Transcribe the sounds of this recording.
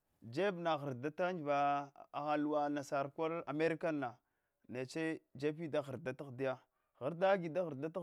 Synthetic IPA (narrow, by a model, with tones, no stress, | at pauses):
d͡ʒe˦bna˨ɣə˨ɾda˦ta˦nd͡ʒva˨a˨ɣa˨lu˨wa˨na˨sa˨ɾkʷa˦la̰˨me˦ɾi˦ka˦nːa˨ | ne˨t͡ʃe˦d͡ʒe˦pi˦da˦xə˨ɾda˦ta˦xdi˦ja˦ | ɣa˨ɾda˦ɡi˨da˦ɣə˨ɾda˦ta˦